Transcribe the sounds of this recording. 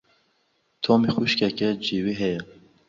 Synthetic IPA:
t̪ʰɔːmixuʃkɛkɛd͡ʒiwiɦɛjɛ

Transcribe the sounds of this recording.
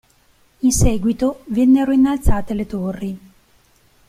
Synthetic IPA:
insɛːɡwit̪ovɛnːeɾoinːalt̪saːt̪elet̪orːi

